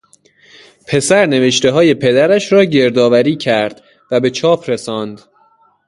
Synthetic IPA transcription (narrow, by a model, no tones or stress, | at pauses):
pʰe̞sæɾne̞ve̞ʃt̪e̞ɦɒːje̞pʰe̞d̪æɾæʃɾɒːɟe̞ɾd̪ɒːvæɾiːcʰæɾd̪̥ | væbe̞t͡ʃʰɒːpʰɾe̞sɒːnd̪